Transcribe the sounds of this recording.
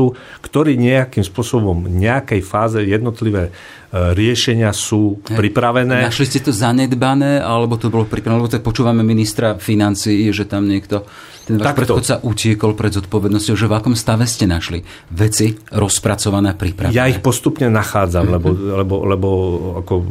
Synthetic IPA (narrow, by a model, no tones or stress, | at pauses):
u | kt̪ɔɾiːɲɛakimspʊɔsɔbɔmɲɛakɛjfaːzɛjɛd̪nɔt̪liʋɛː | ɾɪɛʃɛɲɪasuːpɾipɾaʋɛnːɛːnaʃliscɛt̪ɔzaɲɛd̪banɛːʔalɛbɔt̪ɔbɔlɔpɾipɾaʋɛlɛbɔt̪ak̚pɔt͡ʃuːʋamɛminist̪ɾafinant͡siːʒɛt̪amɲɪɛkt̪ɔ | t̪ɛnʋaːʃpɾɛtxɔt̪saʔucɪɛkɔlpɾɛd̪zɔt̪̚pɔʋɛd̪nɔscɔʊʒɛvakɔmst̪aʋɛscɛnaʃlḭ | ʋɛt͡siɾɔspɾat͡sɔʋanɛːapɾipɾa̰jaixpɔst̪upɲɛnaxaːd͡zammlɛbɔlɛbɔlɛbɔa̰kɔ